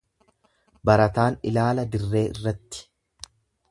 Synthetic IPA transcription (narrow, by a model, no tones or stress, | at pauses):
bɐɾɐt̪aːnɪ̰laːlɐd̪ɪrːe̞ːʔɪ̰rːɐt̪ːɪ̥